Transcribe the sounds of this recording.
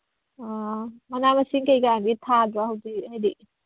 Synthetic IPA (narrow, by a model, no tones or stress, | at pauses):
amɐnamɐsiŋkɐjkajamɡitʰadɾahɐwdihajdi